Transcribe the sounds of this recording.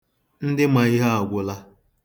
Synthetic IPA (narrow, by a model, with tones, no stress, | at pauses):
n̩˦dɪ˦ma˨i˦ɦa˦a˨ɡʷʊ˦la˦